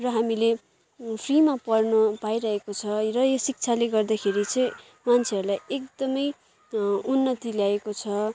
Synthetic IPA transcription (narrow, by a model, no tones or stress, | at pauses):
rʌɦamile | pʰrimapʌrnʌpajɾʌɦekot͡sʰʌrʌjosik̚t͡sʰaleɡʌrd̪akʰeɾit͡sʌ̃j̃ | mant͡sʰeʌɾulajekd̪ʌmʌj | unːʌt̪iljaekot͡sʰʌ